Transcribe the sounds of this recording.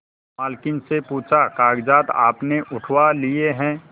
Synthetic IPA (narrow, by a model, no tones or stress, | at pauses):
maːlkɪnsepuːt͡ʃʰakaːɡd͡ʒaːt̪a̰ːpneʔʊʈʰwalieɦɛ̃ː